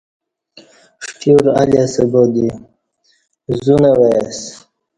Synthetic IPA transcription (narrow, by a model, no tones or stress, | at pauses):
ʂʈʰuɾa̰lasebod̪i | zunewes